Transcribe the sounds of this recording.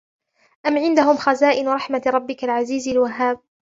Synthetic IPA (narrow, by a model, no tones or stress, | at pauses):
ʔamʕɪnd̪aɦʊmxazaːʔɪnɾˤɑħmaɾˤɑbːɪkalʕaziːzalwaɦːaːb̚